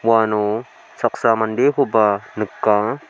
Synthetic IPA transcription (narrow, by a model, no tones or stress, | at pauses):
wanu | saksamandehubanəkːa